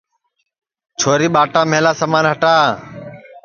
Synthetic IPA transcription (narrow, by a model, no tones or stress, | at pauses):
t͡ʃʰoːɾiːɓaːʈãːmeːlaːsəmaːnɦəʈaː